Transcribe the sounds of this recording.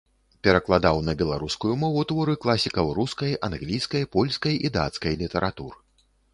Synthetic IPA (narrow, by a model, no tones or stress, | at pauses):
pʲɛɾɐklˠad̪awnɐbʲɛlˠaɾuskujumɔvut̪vɔɾɨklˠasʲikɐwɾuskɐjanɣlʲijskɐjpɔlʲskɐjid̪a̰t̪skɐjlʲit̪ɛɾʔat̪uɾɨ